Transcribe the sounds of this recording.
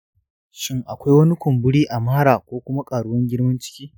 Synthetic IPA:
ʃɪ˦ŋʔa˨kʷa˦jwɐ˦ni˦kʷʊ˨mbʊ˦ɽiː˦ʔa˨maː˦ɽaː˨kʷoː˦kʷʊ˦ma˦kʼaː˨ɽʊ˦wɐ˦ŋɡʲɪ˦ɽmɐ˦nt͡ʃɪ̥˦kʲiː˦

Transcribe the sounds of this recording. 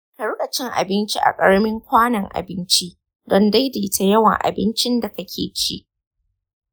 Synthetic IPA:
kɐ˨ɽʊ˦kʼɐ˨t͡ʃɪ˦ŋʔa̰˨bɪ˦nt͡ʃi˦ʔa̰˨kʼɐ˦ɽmɪ˦ŋkʷaː˦nɐ˨ŋʔa̰˨bɪ˦nt͡ʃi˦ | dɔ˦nda˦jda˨˦tʰa˦jɐ˦wɐ̰˨ŋʔa̰˨bɪ˦nt͡ʃɪ˦nda˨kɐ˦kʲʰeː˨t͡ʃi˦ʔ

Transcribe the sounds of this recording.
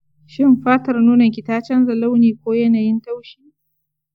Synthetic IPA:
ʃɪ˦mɸaː˦tɐ˨rnuː˦nɐ˨ŋkʲɪ˨taː˦t͡ʃɐ˦nzɐ˨la˦wniː˨kʷoː˦jɐ˦naː˨jɪ˦nta˦wʃiː˦

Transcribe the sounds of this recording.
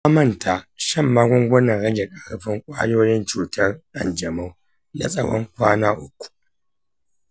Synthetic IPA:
a˦mɐ˦ntʰa˨ʃɐ˦˨mːaː˦ɡʷɔ˦ŋɡʷɐ˦nɐ˨ŋɽɐ˦ɡʲe˨kʼɐ˨ɽʊ˦ɸɪ˦ŋkʷʼa̰ː˦joː˦jɪ˦nt͡ʃuː˨tʰɐ˦rʔa˨nd͡ʒɐ˨ma˦w | na̰˨sʼɐ˨wɔ̰˦ŋkʷaː˦naː˦ʔʊ˦kʷːu̥˨

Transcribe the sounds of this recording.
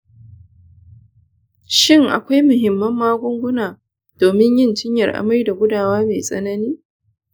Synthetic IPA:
ʃɪ˦ŋʔa̰˨kʷa˦jmʊ˨ɦɪ˨mːɐ˦mːaː˦ɡʷʊ˦ŋɡʷʊ˦naː˨ | d̥oː˨mɪ˦ɲjɪ˦ntɪ˦ɲjɐ˨rʔa̰˨mɐ˦jda˨ɡʷʊ˦daː˨waː˦meː˨sʼɐ̰˦nɐ˦niː˦

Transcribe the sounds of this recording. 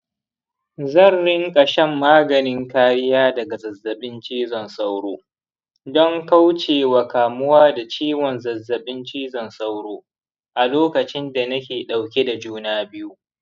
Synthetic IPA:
zɐ˦˨nɽɪ˦ŋkʼɐ˨ʃɛ˦mːaː˦ɡɐ˨nɪ˦ŋkaː˦ɾɪ˦jaː˦dɐ˨ɡa˨zɐ˨zːɐ˨ɓɪ˦nt͡ʃiː˦zɔ˨nsa˦wɽoː˦ | dɔ˦ŋka˦wt͡ʃeː˨wa˨kaː˨mʊ˦waː˦da˨t͡ʃiː˦wɔ˨nzɐ˨zːɐ˨ɓɪ˦nt͡ʃiː˦zɔ˨nsa˦wɽoː˦ | ʔa˨loː˦kɐ˨t͡ʃɪ˦nda˨nɐ˦kʲeː˨ɗa˨wkʲe˦da˨d͡ʒuː˦naː˦bɪ˦ju˦

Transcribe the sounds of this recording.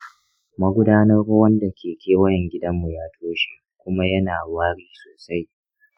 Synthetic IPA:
mɐ˦ɡʷʊ˦daː˦nɐ˦rwɐ˦nda˨kʲʰeː˨kʲʰeː˦wɐ˦jɛ˨ŋɡʲɪ˦dɐ˦mːu˨jaː˦tʰoː˦ʃḭː˦ | kʷʊ˦ma˦jɐ˦naː˨waː˦ɽiː˦soː˨sa˦j

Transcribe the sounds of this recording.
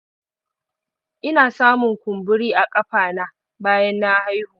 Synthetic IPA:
ʔɪ˦naː˨saː˦mʊ˨ŋkʷʊ˨mbʊ˦ɽiː˦ʔa˨kʼɐ˦ɸaː˨naː˦ | baː˦jɐ˦nːa˦ha˦jhuː˨

